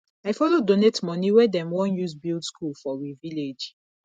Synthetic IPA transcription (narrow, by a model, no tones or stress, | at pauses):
ajfɔlodonetmɔniwɛdɛ̃mwɔ̃njusbildskulfɔwiviled͡ʒ